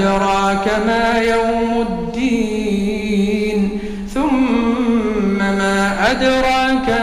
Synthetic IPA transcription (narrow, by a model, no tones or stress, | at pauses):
ɾˤɑːkamaːjawmad̪ːiː | n | θʊm | amaːʔad̪ɾˤɑːka